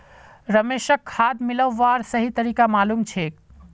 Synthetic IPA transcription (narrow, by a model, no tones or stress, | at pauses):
ɾɐmeːʃəkʰːaːd̪mɪləʋːaːɾsɐɦit̪ɐɾiːkamaːluːmt͡ʃʰeːk